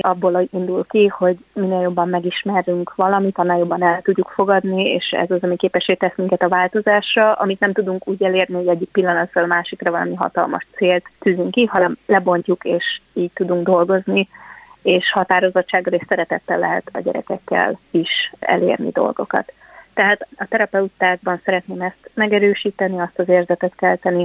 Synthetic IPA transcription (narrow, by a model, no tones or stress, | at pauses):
ɒbːoːlind̪ulkiho̞ɟminːeːljo̞bːɒmːɛɡiʃmɛryŋkʋɒlɒmit̪ɒnːaːljo̞bːɒnɛlt̪uɟːukfo̞ɡɒd̪niḛːʃɛ̰zɒzɒmikeːpɛʃːeːt̪ɛsmiŋkɛt̪ɒvaːlt̪o̞zaːʃrɒʔɒ̰mit̪nɛmt̪ud̪uŋkuːɟɛleːrniho̞ɟɛɟːik̚pilːɒnɒt̪rɒlɒmaːʃikrɒvɒlɒ̰miɦɒ̰t̪ɒ̰lmɒ̰ʃt̪seːlt̪ːyːzyŋkːiɦɒnɛmlɛbo̞ɲcukeːʃiːɟ̚t̪ud̪uŋɡd̪o̞lɡo̞znieːʃhɒt̪aːɾo̞zo̞t͡ʃt͡ʃːaːɡːɒleʃsɛɾɛt̪ɛt̪ːɛlːɛ̰ɦɛ̰t̪ɒ̰ɟɛ̰ɾɛ̰kɛkːɛ̰liʃɛ̰lḛːrnḭd̪o̞̰lɡo̞̰kɒ̰t̪ː | ɛɦaːt̪ɒt̪ɛɾɒpɛut̪ːaːɡ̚bɒnsɛɾɛt̪neːmɛst̪mɛɡɛɾøːʃiːt̪ɛniɒst̪ɒzeːrzɛt̪ɛt̪kɛlt̪ɛni